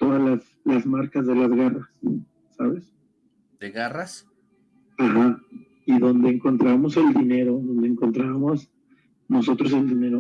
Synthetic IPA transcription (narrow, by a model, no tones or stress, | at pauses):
t̪o̞ðalas | lazmaɾkazðe̞lazɣarasː | aβe̞s | d̪eɣaras | axa | iðo̞nd̪e̞ːŋko̞nt̪ɾaβamo̞se̞ld̪ine̞ɾo̞ðo̞nd̪eŋko̞nt̪ɾaβamo̞s | no̞so̞t̪ɾo̞se̞ld̪ine̞ɾo